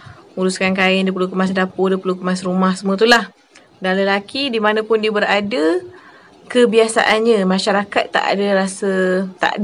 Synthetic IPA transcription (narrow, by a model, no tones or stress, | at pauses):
uɾuskankaɪndupəlukəmas̬dapodəpəlukəmasɾumahsəmũət̪̬ulah | danləlakidimanə̃pʊndibəɾadə | kəbiasa̰ʔanɲəmãʃaɾakat̪ːa̰ʔa̰dəɾasət̪a̰ʔd